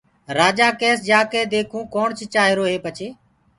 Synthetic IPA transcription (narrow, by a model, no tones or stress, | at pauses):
ɾaːd͡ʒaːkeːsd͡ʒaːkeːd̪eːkʰũːkoːɳt͡ʃt͡ʃaːɦɪɾoːɦeːpət͡ʃʰeː